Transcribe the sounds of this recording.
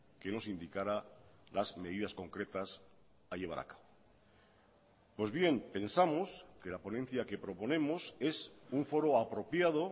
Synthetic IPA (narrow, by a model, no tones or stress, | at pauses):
ke̞no̞sind̪ikaɾalazme̞ð̞iðasko̞ŋkɾe̞t̪as | aʎe̞β̞aɾa̰kḁβo | pwe̞zβje̞mpe̞nsamo̞ske̞lapo̞nẽ̞n̟θjake̞pɾo̞po̞ne̞mo̞se̞suɱfo̞ɾoapɾo̞pjað̞o̞